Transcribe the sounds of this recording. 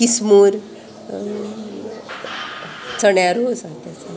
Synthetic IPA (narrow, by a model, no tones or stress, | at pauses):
kismuɾ | t͡səɳjaɾosãt̪at͡sa